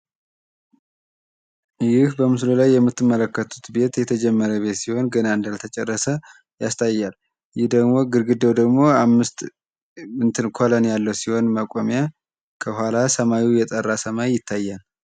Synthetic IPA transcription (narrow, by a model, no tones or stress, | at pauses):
jɪhbəmɨslolajːɛmːɨt̪ːɨmːələkːət̪ʰut̪be̞t̪jɛt̪ʰəd͡ʒɛmːəɾəβe̞t̪siho̞nɡənaɨnd̪alt̪ʰət͡ʃʼɛrːəsə | jast̪ʰʼajːal | jɪhd̪əɡmo̞ɡɨɾɡɨəwd̪əɡmo̞amːɨst̪ | ɨnt̪ʰɨnkʰolənjalːəwsiho̞nməkʼomja | kʰəhʷalasəmawijɛt̪ʼərːasəmaːɪt̪ʰːajːal